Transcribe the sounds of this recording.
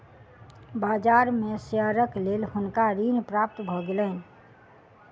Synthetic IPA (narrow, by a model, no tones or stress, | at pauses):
baːd͡ʒaːɾmẽsijəɾəkleːlhʊnkaɾiːnpɾaːp̚t̪bʱɔɡelən